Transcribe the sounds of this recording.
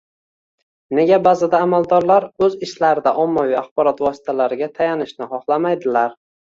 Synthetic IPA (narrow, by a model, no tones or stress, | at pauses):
ne̞ɡʲabazɪd̪aːmalˠd̪ɒɾlaɾɵzɪʃlaɾɪd̪aʔɒmːavijaχbɒɾɒt̪vɒsɪ̥t̪ʰalaɾɪɡʲat̪ʰajanɪʃnɪχɒχlˠamajd̪ɪlaɾ